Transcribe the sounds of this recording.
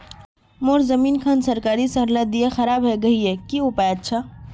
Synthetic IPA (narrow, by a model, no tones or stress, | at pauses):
moːɾzɐmiːnkʰaːnsɐɾkaːɾisɐɾlad̪ijaxɐɾaːbɦɛɡɐɦiɦɛkiʊpaətːʃʰaː